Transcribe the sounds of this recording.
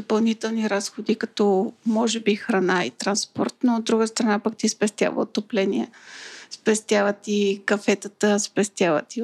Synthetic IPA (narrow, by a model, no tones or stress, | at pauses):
d̪opɐlˠnit̪ɛlˠniɾasxod̪ikɐt̪ɔmɔʒɛbixɾɐnaḭt̪ɾɐnspɔ̰ɾt̪nood̪ːɾuɡəst̪ɾɐnapakt̪ispɛst̪ʲja̰və̰ot̪ːoplɛniɛspɛst̪javət̪ikɐfɛt̪ət̪əspɛst̪javə̰t̪i